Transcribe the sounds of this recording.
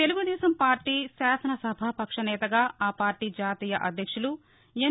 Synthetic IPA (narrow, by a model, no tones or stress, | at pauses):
t̪eluɡud̪ɛːsɐmpaːɾʈiːsaːsɐnɐsɐbʱaːpɐkʂɐnɛːt̪ɐɡaːaːpaːɾʈiːd͡ʒaːt̪iːjɐʔɐd̪ʱjɐkʂulu | e